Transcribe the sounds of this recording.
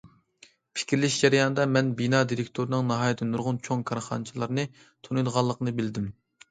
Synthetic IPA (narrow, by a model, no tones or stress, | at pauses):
pʰɪ̥kʲʰɾlɪʃd͡ʒæɾijɑnɨd̪ɑmɛnbinɑd̪iɾɪkʲt̪ʰoɾɨnɨŋnɑɦɑːjt̪ʰɪnuɾʁʊnt͡ʃʰoŋkʰɑɾχɑ̰nt͡ʃʰilˠɑɾnɨ | t̪ʰunujd̪ʁɑlˠːəqnɨbɪld̪ɪm